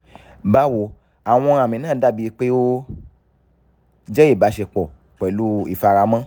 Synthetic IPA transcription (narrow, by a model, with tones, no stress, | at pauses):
ba˦wo˧˦ | a˨w̃ɔ̃˧a˨mĩ˨nãː˦˨da˦˨bi˧k͡pe˦o˦ | d͡ʒɛ˦i˦˨ba˨˦ʃe˧k͡pɔ˨ | k͡pɛ˨lu˨˦ḭ˦˨fa˧ɾa˧˦mã˦